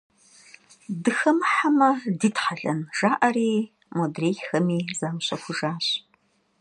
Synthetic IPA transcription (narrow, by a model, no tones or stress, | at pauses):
dɨxɐmħamɐdiːtħaɮɐnʒ̥aːʔɐɾiː | modreːjxɐmiːzaːmɕɐkʷʊʒaːɕʼ